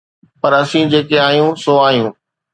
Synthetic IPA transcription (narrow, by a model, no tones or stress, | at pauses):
pɐɾɐsĩd͡ʑeːkeaːɦjũsoaːɦijũː